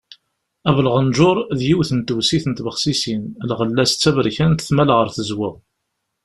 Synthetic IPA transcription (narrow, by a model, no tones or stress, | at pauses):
ævləʁənʒʊɾˤðjiwθənt̪əwsiθənt̪bəχsisinəlʁəlːæst͡sːævɾçænt̪θmælʁəɾθəzwɪʁ